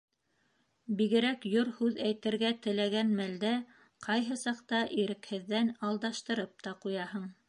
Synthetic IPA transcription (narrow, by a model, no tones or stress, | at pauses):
biɡɘ̆ɾækjoɾhʉðæjt̪ɘ̆ɾɡæt̪ɘ̆læɡænmæld̪æ | qʰɑjɦɤsɑqt̪ɑʔiɾɘ̆khɘ̆ðːænɑlˠd̪ɑʃt̪ɤ̆ɾɤp̚t̪ɑqujɑhɤɴ